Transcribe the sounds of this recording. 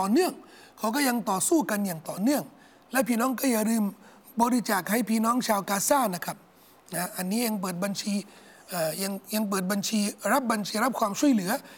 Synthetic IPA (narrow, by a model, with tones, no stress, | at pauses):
t̪ɔː˨˩nɯ˥˩əŋ | kʰa˦˥wk̬ɔː˥˩ja˧ŋt̪ɔː˨˩suː˥˩ka˧njaː˨˩ŋt̪ɔː˨˩nɯ˥˩əŋ | lɛ˦˥wpʰiː˥˩nɔː˦˥ŋkɔː˥˩ja˨˩ɾɯː˧m | bɔː˧ɾi˦˥t͡ɕaː˨˩k̚ha˥˩jpʰiː˧˩nɔː˦˥ŋt͡ɕʰaː˧wkaː˧saː˥˩na˦˥kʰa˦˥p̚ | na˦˥ʔa˧nːiː˦˥ja˧ŋp̬ɤː˨˩t̪̚ba˧nt͡ɕʰiː˧ | ʔaː˨˩ja˧ŋja˧ŋp̬ɤː˨˩t̪̚ba˧nt͡ɕʰiː˧ɾa˦˥p̚ba˧nt͡ɕʰiː˧ɾa˦˥p̚kʰwaː˧mt͡ɕʰu˥˩əjlɯ˩˦ɐ